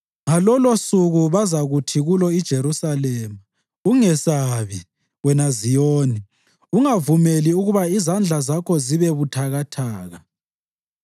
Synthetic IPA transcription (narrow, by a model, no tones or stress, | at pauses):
ŋalɔlosuɣuβazaɣutʰiɣulɔid̥ʒ̥ʱeɾusalɛːma | uŋɛsaβi | wɛnazijoːni | uŋavumeliuɣuβaizand͡ɮʱazakʰɔziβɛβutʰaɣatʰaːɣa